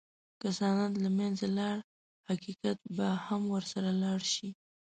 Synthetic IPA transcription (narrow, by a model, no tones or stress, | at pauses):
kasɑnɑnlamanzalɑɽ | haqikat̪̚bahamwəɾsaɾalɑɽʃi